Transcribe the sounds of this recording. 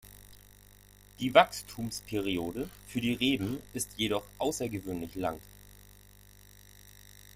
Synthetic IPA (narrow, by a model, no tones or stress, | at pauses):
d̥iːvakstʰuːmspʰɛʁioːdəfyːɐdiːʁeːbm̩ɪstjeɾɔχʔaʊsɐɡəvøːnlɪçlaŋ